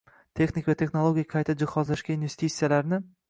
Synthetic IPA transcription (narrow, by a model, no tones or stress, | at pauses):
t̪ʰe̞xnikʲvat̪ʰe̞χnolˠoɡʲijaqʰɑjt̪ʰad͡ʒɪhɒzlaʃɡʲainve̞st̪ʰit̪sijalaɾnɪ